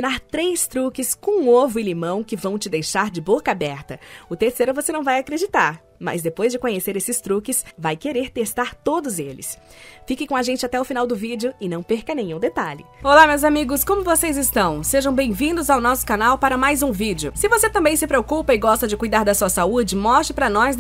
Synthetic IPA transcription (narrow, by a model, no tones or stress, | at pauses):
inaɾt̪ɾejst̪ɾukɪskõũovʊɪlimɐ̃w̃kɪvɐ̃w̃t͡ʃɪd̪ejʃaɾd͡ʒɪbokɐabɛɾt̪ɐʊt̪eɾsejɾʊvosenɐ̃w̃vajakɾed͡ʒit̪aɾ | mɐ̰zd̪epojzd͡ʒɪkõɲeseɾesɪst̪ɾukɪsvajkeɾeɾt̪est̪aɾt̪od̪ʊzelɪ̰s | fikɪkõaʒẽnt͡ʃɪat̪ɛʊfinawd̪ʊvid͡ʒɪʊɪnɐ̃w̃peɾkɐnẽɲ̃ũd̪et̪aʎɪ̰olamewzamiɡʊskõmʊvosejzɪst̪ɐ̃w̃seʒɐ̃w̃bẽj̃vĩnd̪ʊzawnɔsʊ̥kanawpaɾɐmajzũvid͡ʒɪʊsɪvoset̪ɐ̃mbẽj̃sɪpɾeokupɐɪɡɔst̪ɐd͡ʒɪkujd̪aɾd̪ɐsuɐsaud͡ʒɪmɔst͡ʃɪpɾɐnɔs